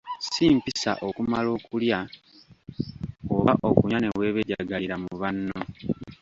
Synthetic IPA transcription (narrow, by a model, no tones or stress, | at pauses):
siːmpisa̰ʔo̞kumalo̞ːkulja | oβaʔokuɲaneβwe̞ːβeɟaɡaliɾamuβanːo